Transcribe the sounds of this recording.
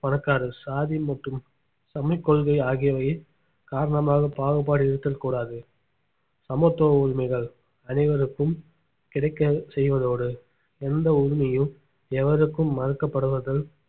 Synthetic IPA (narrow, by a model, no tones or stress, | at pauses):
pɐɳɐkːaːɾɯsaːðimɐʈrɯm | sɐmɪkːɔɭɣɐɪaːɣɪjɐʋɐj | kaːɾɐɳɐmaːɣɐpaːɣɯp̬ːaːɽɯɪɾɯt̪ːɐlkuːɽaːðɯ | sɐmot̪ːoːʊɾmɐɪɣɐɭ | ɐnɐɪʋɐɾɯkːɯm | kɪɽɐɪkːɐsɛjʋɐðoːɽɯ | ɛnd̪ɐʊɾʊmɐjɯ̃ | ɛʋɐɾɯkːɯmːɐɾɯkːɐpːɐɽɯʋɐðɐɭ